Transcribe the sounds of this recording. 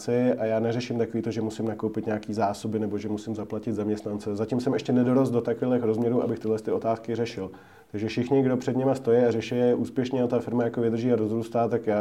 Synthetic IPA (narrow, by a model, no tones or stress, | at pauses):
t͡sɪajaːnɛrɛʃɪmt̪akoiːt̪oʒɛmusɪmnakowpɪt̪ɲaːkiːzaːso̞bɪnɛbo̞ʒɛmusɪmzaplacɪd̪zamɲɛst̪nant͡sɛzacɪmsɛmʔɛʃcɛnɛdoɾosdot̪akfɪlɪxɾo̞zmɲɛɾuːʔa̰bɪxt̪ɪɦlɛst̪ɪo̞t̪aːskɪrɛʃɪl | t̪aɡʒɛfʃɪxɲɪɡdo̞pr̝̥ɛd̪ɲɛmast̪o̞jɛarɛʃɛjɛʔuːspjɛʃɲɛat̪afɪɾmajakovɪd̪r̩ʒiːaɾo̞zɾuːst̪aːt̪akjaː